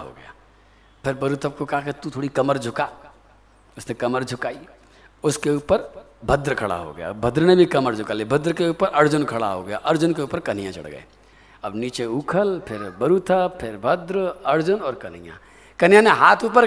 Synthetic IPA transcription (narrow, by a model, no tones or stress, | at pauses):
ɦo̰ɡɐ̰ja̰ː | pʰɪɾbəɾut̪ʰəb̚kokɐɦaket̪ut̪ʰoːɽikɐməɾd͡ʒʱʊka | ʊsnekɐməɾd͡ʒʱʊkaːi | ʊskeuːpəɾbʱəd̪ɾkʰɐɽa̰ɦo̰ɡɐ̰ja̰bʱəd̪ɾnebʱikɐməɾd͡ʒʱʊkalebʱɐd̪ɾkeuːpəɾʔɐɾd͡ʒʊnkʰɐɽa̰ɦo̰ɡɐja̰ʔɐɾd͡ʒʊnkeuːpəɾkɐnijãt͡ʃɐ̰ɽɡə̰ḛ | ɐbniːt͡ʃeuːkʰəlpʰɪɾbɐɾut̪ʰəbpʰɪɾbʱəd̪ɾɐɾd͡ʒʊnɔːɾkɐn̤ijã̰ | kɐnijãneɦaːt̪ʰuːpəɾ